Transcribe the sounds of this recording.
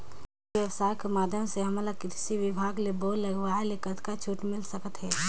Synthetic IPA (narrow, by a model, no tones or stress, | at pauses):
ʋjəʋsaːɾkemaːd̪ʱjəmseɦɐmlakɪtɪsiʋɪbʱaːɡleboːɾlɐɡʋaːelekət̪kat͡ʃʰuːʈmɪlsəkət̪ɦɛː